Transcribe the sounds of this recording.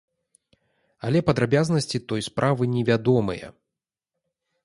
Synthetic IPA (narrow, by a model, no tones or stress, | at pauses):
ɐlʲɛpɐd̪ɾabʲaznɐsʲt͡sʲit̪ɔjspɾʔavɨnʲɛvʲad̪ɔmɨ̰jɐ̰